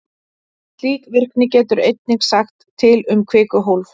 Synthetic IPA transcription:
liːk̪vɪr̥knɪcɛːt̪ʏɾejt̪̚niŋksaxt̪ʰːɪlʏmkʰvɪːkʏɦowlf

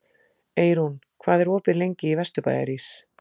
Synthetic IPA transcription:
eːjɾun | kʰvaːðɛɾoːpɪlejɲcɪivɛst̪ʏpa̰ːja̰ɾis

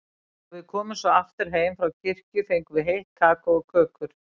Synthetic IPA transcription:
vɪðkʰɔːmʏsɔaft̪ɪɾ̥ɦeːjmfɾawcɪr̥cʏθejŋkvɪɦejht̪̚kʰaːkaɔkʰœːkʏɾ̥

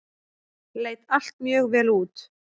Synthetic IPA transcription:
leːjt̪al̥t̪mjœːɣvɛːluːt̪

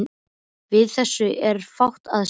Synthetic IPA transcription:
vɪðθɛsːʏʔɛɾ̥fawht̪að

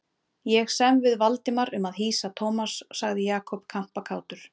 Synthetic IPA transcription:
jɛɣsɛmvɪðvalt̪ɪmaɾʏmaðɦiːsat̪ʰɔwmasːaɣðɪjaːkʰɔpkʰam̥pakʰaːwt̪ʏɾ̥

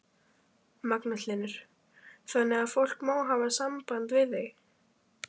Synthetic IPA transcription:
maknatlɪnʏɾ̥ | θanɛafowl̥kmaːwɦavasampant̪vɪðːejɣ

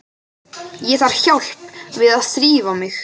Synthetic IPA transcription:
jɛθaɾ̥çawl̥pvɪðaðst̪ɾiːvamɪx

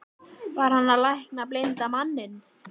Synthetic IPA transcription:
vaɾ̥hanːalajhknaplejnt̪amanːɪn

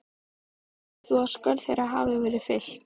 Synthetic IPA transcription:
θuḁskœɾθejɾaɦa̰ːvɪvɛːɾʏfɪl̥t̪

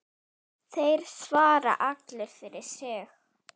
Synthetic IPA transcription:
θejɾ̥svaːɾa̰ʔaklɪɾ̥fɪɾɪɾ̥sɪx

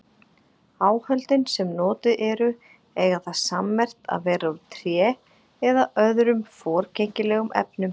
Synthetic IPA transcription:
aːwhœlt̪ɪnsɛmnɔːt̪ɪʔɛɾʏ | ɛːɣaθaðsamːɛr̥t̪a̰ðvɛːɾaut̪ʰɾjɛː | ɛðaʔœðɾʏmfɔːɾ̥cʰejɲcɪlɛːɣʏmɛ̰pnʏm

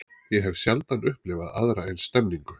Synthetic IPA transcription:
jɛɦɛvsjalt̪anʏhplɪvaða̰ðɾaɛjnst̪ɛmniŋkʏ

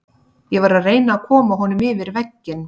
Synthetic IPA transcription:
jɛɣvaɾaðreːjnaːðkʰɔːmaɦɔnʏmɪːvɪɾvɛcːɪn

